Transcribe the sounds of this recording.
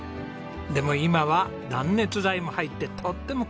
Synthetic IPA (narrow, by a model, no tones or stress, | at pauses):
d̪e̞mo̞imaβa | d̪ãnːe̞t͡sɨzaimo̞hait̪ːe̞t̪ʰo̞t̪ːe̞mo̞k